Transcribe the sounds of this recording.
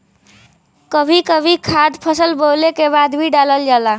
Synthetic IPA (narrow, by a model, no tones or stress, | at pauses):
kəbʱikəbʱikʰad̪pʰəsəlbolekebad̪bʱiɖaləld͡ʒala